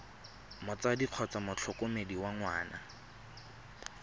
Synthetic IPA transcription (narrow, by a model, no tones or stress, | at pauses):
mʊt͡sadiq͡χʰɔt͡samʊt͡ɬʰʊkʊmediwaŋwaːna̰